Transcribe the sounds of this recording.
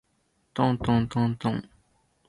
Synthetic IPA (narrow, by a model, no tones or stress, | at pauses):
t̪oŋt̪oŋt̪oŋt̪oŋ